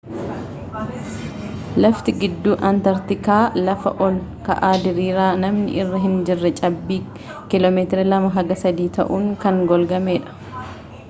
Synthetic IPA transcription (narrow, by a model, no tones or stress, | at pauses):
lɐft̪ɪɡɪd̪ːuːʔɐnt̪ɐɾt̪ɪkaːlɐfɐ̰ʔɔlkɐ̰ʔaːd̪ɪɾiːɾaːnɐmnɪ̰ʔɪrːɐɦɪnd͡ʒɪrːɛt͡ʃʼɐbːiː | kɪlɔːmeːt̪ɪɾɐlɐmɐɦɐɡɐsɐd̪iːt̪ɐ̰ʔuːŋkɐŋɡɔlɡɐmeːᶑɐ̥